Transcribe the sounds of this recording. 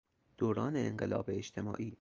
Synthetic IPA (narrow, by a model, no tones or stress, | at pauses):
d̪̥oːɾɒːneːŋɢḛlɒ̰ːbeːt͡ʃt̪ʰe̞mɒ̰ːʔiː